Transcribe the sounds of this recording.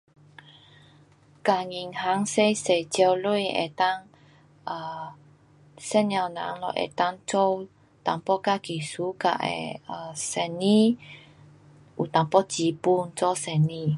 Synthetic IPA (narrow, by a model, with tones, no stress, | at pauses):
ka˧˨ŋi˧ŋha˦ŋse˧jse̥˧d͡ʒɛ˧wlojʔɛ̰˨t̪a˦ŋ | a˧ | sɛ˦na˧wna̰˨ŋlɔ̰˧ʔɛ̰˨t̪a˧ŋt͡ʃɔ˦u | t̪a˨mpɔ˦ka˧ɡ̥i˨su˦ka̰˨ʔɛ̰˧a˧sɛ˧ni˦ | ʔu˨t̪a˨mpɔ̥˦d͡ʒ̥i˨pu˦nt͡sɔ˦sɛ˧˨ni˧